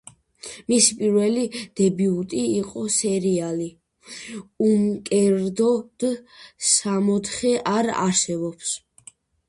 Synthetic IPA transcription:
misipʼiɾvɛlid̪̥ɛbiut̪ʼiːqʼɔsɛɾiali | umkʼɛɾd̪ɔd̪̥samɔt̪χɛʔaɾa̰ɾsɛbɔps

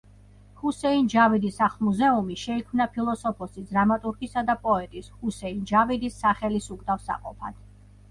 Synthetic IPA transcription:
husɛind͡ʒavid̪isaχlˠmuzɛumiʃɛikʰmnapʰilˠɔsɔpʰɔsid̪ɾamat̪ʼuɾɡisad̪apʼɔɛt̪ʼishusɛind͡ʒavid̪isːaχɛlisukʼd̪afsa̰qʼɔ̰pʰa̰d̪̥

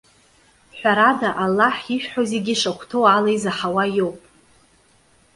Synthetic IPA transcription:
ħʷᶣaɾadaʔalːaħiʃᶣħozeɡʲiʂaχʷʰtʰowalajzaħawajo̞wpʼ

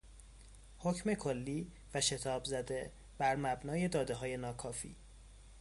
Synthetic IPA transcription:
ho̞cʰme̞kʰolːiː | væʃe̞t̪ʰɒːbzæd̪e̞ | b̥æɾmæbnɒːje̞d̪ɒːd̪eɦɒːje̞nɒːkʰɒːfḭː

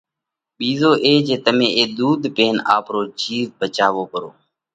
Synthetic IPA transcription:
ɓiːzoːʔeːd͡ʒeːt̪əmẽːʔeːd̪uːd̪peːnaːpɾoːt͡ʃiːzbət͡ʃaːʋoːpəɾo̰ː

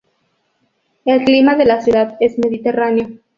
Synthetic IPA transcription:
elklimaðe̞lasjuðaðe̞zme̞ðit̪e̞ranejo̞

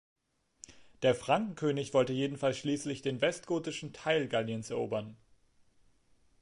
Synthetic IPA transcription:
d̥eːɐfʁ̥aŋkŋ̩kʰøːnɪçv̥ɔltəjeːdn̩falsʃliːslɪçd̥eːnvɛstɡ̥oːtɪʃn̩tʰaɪlɡaljənsɛɐʔo̰ːbɐn

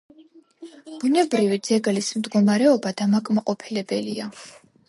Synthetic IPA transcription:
b̥unɛbɾivid̪z̥ɛɡlismd̪ɡɔmaɾɛɔbad̪amakʼmaqʼɔpʰilɛbɛlia

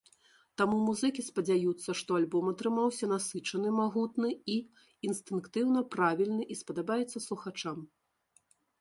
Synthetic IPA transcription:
t̪amumuzɨkʲispɐd͡zʲajut̪sːɐʂt̪ɔalʲbɔmɐt̪ɾɨmawsʲɐnasɨt͡ʂɐnɨmaɣut̪nɨi | inst̪ɨnkt̪ɨwnɐpɾavʲilʲnɨʔispɐd̪abajɛt̪sːɐslˠuxat͡ʂam

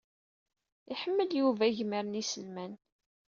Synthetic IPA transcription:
iħəmːəljuvæʝməɾənisəlmæn

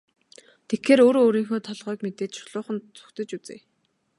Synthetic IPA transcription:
t̪ʰexeːɾoːɾoːɾiːŋxoːt̪ʰɔɮʁœːkmet̪eːt͡ɕ̪ʃʊ̥ɮʊːχə̆nt͡sʰu̥xt̪ɘ̆t͡ɕut͡sḛː

